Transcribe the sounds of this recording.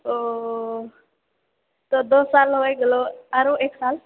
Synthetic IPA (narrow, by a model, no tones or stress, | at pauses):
o | t̪ɔd̪osalɦojɡeloaɾõeksal